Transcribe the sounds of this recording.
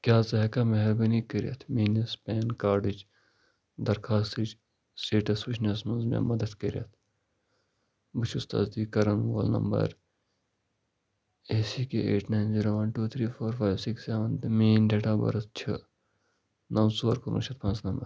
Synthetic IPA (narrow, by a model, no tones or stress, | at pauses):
kʲjaːzɐɦɐkameɦɾbɐnikɐɾijɐ̰t̪ʰmiːnɐspɛːnkaːɾɖid͡ʒ | d̪ɐɾkʰaːst̪it͡ʃ | sʈeːʈɐsbiʃnesmɐnzmḛ̃mɐd̪ɐd̪kɐɾijɐ̰t̪ʰ | bɨt͡ʃʰust̪a̰ːzd̪iːkɐɾɐnwo̰ːlnɐ̰mbɐ̰ɾ | eːsikeeːʈnaːjnziːɾoːʋɐnʈuːt̪ʰɾiːfʰoːɾfʰaːjʋsikseːʋɐnd̪ɐmeːnɖeːʈaːbɐ̰ɾɐst͡ʃʰɐ | nɐwsoːɾkuɾṵ̃t͡ʃʰɐt̪pɐ̃nsnɐmbɐɾ